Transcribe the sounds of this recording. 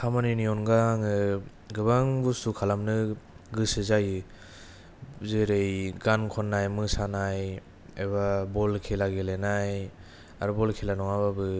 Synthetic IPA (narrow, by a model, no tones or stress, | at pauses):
kʰamaniniɔnɡaŋɯ | ɡɯbaŋbusukʰalamnɯɡɯsɯzajɯ | zeɾejɡankʰɔnːajmɯsanaj | eβabɔlkʰelaɡelenaj | aɾubɔlkʰelanɔŋaβabɯ